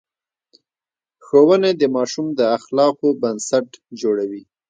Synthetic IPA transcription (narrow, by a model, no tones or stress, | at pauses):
xowəned̪əmɑʃumd̪əaxlɑqobansaʈd͡ʒoɽawi